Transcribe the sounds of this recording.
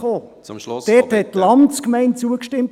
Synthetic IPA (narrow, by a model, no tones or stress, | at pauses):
oː | d̥ɛthɛt̚tːlɑmskmɛɪnt̚t͡suəkʃtɪmt